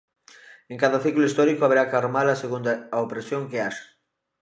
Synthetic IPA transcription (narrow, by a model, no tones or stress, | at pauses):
eŋkaðɐθiklʊist̪ɔɾikoaβeɾakaɾmalɐseɣund̪aːopɾesjoŋkeaʃ